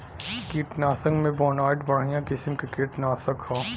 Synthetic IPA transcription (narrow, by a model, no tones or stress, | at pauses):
kiːʈnaːsə̃ŋɡmẽbɔːnaːʈbɐɽ̤ijãkɪsmkekiːʈnaːsəkhaː